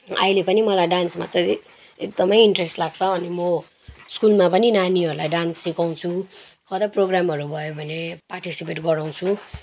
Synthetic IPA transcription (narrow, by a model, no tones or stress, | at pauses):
ʌ̰ilepʌnimʌlajɖansmat͡sʌ | ek̚d̪ʌmʌjiɳʈresʈlaɡ̚t͡sʰʌːnimʌ | skulmapʌninaniʌɾulajɖansːikaw̃t͡sʰukʰʌd̪ʌproɡramʌɾubʱʌjobʱʌneparʈisipeʈɡʌɾaw̃t͡sʰu